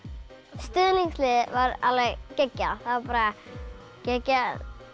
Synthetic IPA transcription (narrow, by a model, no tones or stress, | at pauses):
st̪ʏðniŋslɪðvaɾa̰ðlvɛɣcɛcːaθavaɾpaːɾa | cɛcːa